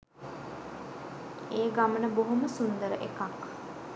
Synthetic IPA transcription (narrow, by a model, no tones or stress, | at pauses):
eːɡamənəboɦoməsund̪əɾəʔekak